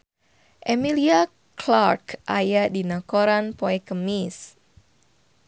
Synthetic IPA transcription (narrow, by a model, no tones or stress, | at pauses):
ʔemilia | klarkʔajadinakoɾanpoɛkəmis